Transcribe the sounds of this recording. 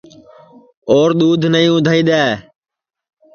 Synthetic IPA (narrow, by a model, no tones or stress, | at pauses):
oːɾɗ̪uːd̪ʱnəĩːʊd̪ʱaːiːɗ̪aː